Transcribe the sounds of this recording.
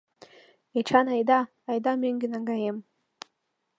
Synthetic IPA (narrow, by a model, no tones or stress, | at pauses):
et͡ʃʰanajd̪aː | jd̪ameŋɡʲenaŋɡajem